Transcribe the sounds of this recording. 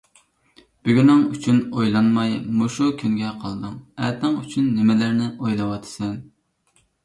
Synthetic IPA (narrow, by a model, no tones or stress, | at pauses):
b̥yɡʲynɪŋyt͡ʃʰynojlˠɑnmɑjmuʃukʲʰynɡʲɛqʰɑlˠd̪ɨŋɛt̪ɪŋyt͡ʃʰynːɪmɪlæɾnɪʔojlˠɨwɑt̪ʰɨ̥sɛn